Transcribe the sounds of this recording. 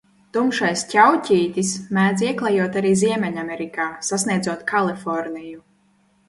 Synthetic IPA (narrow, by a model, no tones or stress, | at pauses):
t̪umʃajscʲawcʲiːt̪ʲismæːd̪ziɛklˠajuɔt̪aɾiːziɛmʲɛɲamʲɛɾikaːsasnʲiɛd̪zuɔt̪kʰalˠifɔɾniju